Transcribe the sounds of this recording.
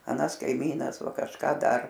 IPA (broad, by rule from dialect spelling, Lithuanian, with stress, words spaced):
ɐˈnɐs kɐɪˈmʲiːnɐs ˈʋɐ kɐʃˈkɑː ˈdɐr